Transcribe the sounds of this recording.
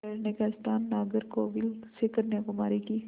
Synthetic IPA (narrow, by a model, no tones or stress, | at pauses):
eːɾnekaɪst̪aːnːaːɡəɾkoːʋɪlsekəɾnekomaːɾikiː